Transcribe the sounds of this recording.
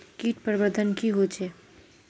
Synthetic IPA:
kiːʈpəɾbəɾd̪ʱənkiɦod͡ʒeː

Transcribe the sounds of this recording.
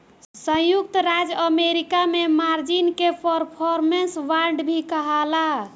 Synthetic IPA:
sə̃juk̚t̪ɾad͡ʒəmeɾikamemaɾd͡ʒinkepəɾpʰɔɾmensʋaɾɖbʱikəɦəla

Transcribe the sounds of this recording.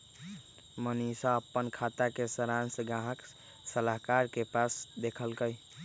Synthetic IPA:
mənisaəpːənkʰat̪akesəɾansəɡãɦək | səlaɦkaɾkepasd̪ekʰəlkəj

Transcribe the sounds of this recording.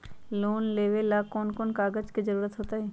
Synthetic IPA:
loːnleːʋelaːkɔːnkɔːnkaːɡəd͡ʒkid͡ʒəɾuːɾət̪ɦoːt̪aɦɛː

